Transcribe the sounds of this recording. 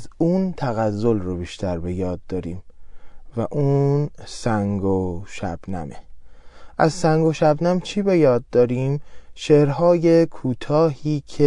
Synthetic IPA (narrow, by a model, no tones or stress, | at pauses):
zuːnt̪ʰæɣæzːolrobiːʃt̪ʰæɾbe̞jɒːd̪̚ːɒːɾiːmvæʔuːnsæŋɡoʃæ̰b̥næ̰me | ʔæzsæŋɡoʃæbnæmt͡ʃʰiːbe̞jɒːd̪ːɒːɾiːmʃeɾɦɒːje̞kʰuːt̪ʰɒːhiːcʰe